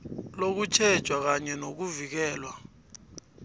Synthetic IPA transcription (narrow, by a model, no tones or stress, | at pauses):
lok̬ut͡ʃʰɛd̥ʒ̥ʱwak̬aɲɛnok̬uvik̬ɛːlwa